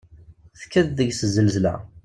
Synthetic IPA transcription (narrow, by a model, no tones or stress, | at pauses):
θkːæððəɡsəzːəlzlæ̰